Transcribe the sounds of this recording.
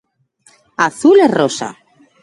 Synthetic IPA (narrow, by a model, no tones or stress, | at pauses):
aθulerosa̰